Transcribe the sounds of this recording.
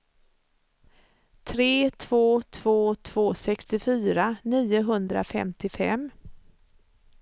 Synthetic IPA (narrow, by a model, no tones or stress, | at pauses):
t̪ʰɾeːt̪ʰv̥oːt̪ʰv̥oːt̪ʰv̥oːsɛkst̪ɪfyːɾaniːʊɦɵnd̪ɾa̰fɛ̰mt̪ɪfɛ̰m